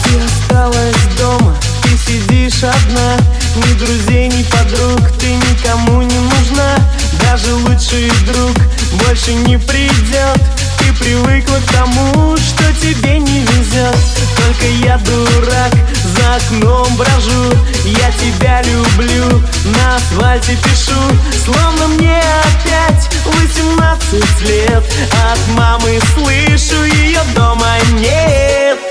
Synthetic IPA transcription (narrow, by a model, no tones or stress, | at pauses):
t̪ɨɐst̪alˠəsʲd̪o̞mə | t̪ɨsʲɪdʲiʂɐd̪na | nʲɪd̪ɾʊzʲejnʲɪpɐd̪ɾukt̪ɨnʲɪkɐmunʲɪnʊʐna | d̪aʐɨlˠutʂɨjd̪ɾuk | bo̞lʲʂɨnʲɪpɾʲɪdʲot̪ː | ɨpɾʲɪvɨklˠəkt̪ɐmuʂt̪o̞tʲɪbʲenʲɪvʲɪzʲot̪ | t̪o̞lʲkəjad̪ʊɾak | zəɐːknombɾɐʐu | jatʲɪbʲalʲʊblʲu | nə | svalʲtʲɪpʲɪʂuslˠo̞vnəmnʲe | ɐpʲætʲ | lˠɨtʲɪmnat̪sɨtʲlʲet̪̚ | ɐt̪mamɨslˠɨʂʊjɪjo̞d̪o̞mənʲe | t̪